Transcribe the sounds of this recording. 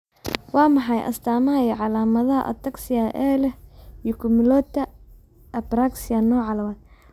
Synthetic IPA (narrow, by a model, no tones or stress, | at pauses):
wɑːmɑħɑjʔɐ̰st̪ʰaːmɐɐjɐʕɑlaːmɐðɐɦɐ̰ʔɐ̰t̪ʰɐksɪjaʔɛːlɛijɔkʰʊmɪlɔt̪ːɐ | ʔɐbɾaksɪɐnɔːʕɑlɐmaːd̪